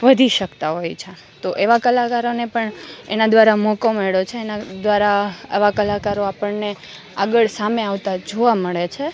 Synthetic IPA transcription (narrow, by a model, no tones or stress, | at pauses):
ʋəd̪ʱiʃəkt̪aɦojt͡ʃʰe | t̪oʔeʋakəlakaɾonepəɳḛnad̪ʋaɾamɔkomeɭot͡ʃʰeːnad̪ʋaɾaḛʋakəlakaɾoapəɳne | aɡəɭsameaʋt̪ad͡ʒoʋaməɭet͡ʃʰe